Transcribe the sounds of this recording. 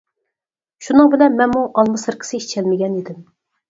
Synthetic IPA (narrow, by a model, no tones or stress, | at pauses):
ʃunɨŋbɪlɛnmɛnmuʔɑlˠmɨsɨɾqʰə̥sɪiʃt͡ʃʰɛlmɪɡʲɛnid̪ɪm